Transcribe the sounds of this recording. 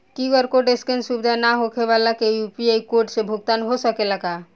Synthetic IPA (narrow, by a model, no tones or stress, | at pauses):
kiɡɔɾkoɖeskensubd̪ʱanaɦokʰeʋalakejupiaikoɾʈsebʱuɡt̪anɦosəkelaɡa